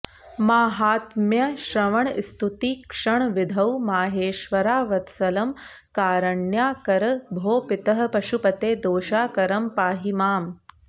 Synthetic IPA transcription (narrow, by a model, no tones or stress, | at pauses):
maːɦaːt̪mjɐʃɾɐʋɐɳst̪ʰut̪ikʂɐɳʋid̪ʱɐwmaːɦeːʃʋɐɾaːʋɐt̪sɐlɐm | kaːɾɐɳjaːkɐɾɐbʱoːpɪt̪ɐɦɐ̆pɐʃupɐt̪eːd̪oːʃaːkɐɾɐmpaːɦimaːm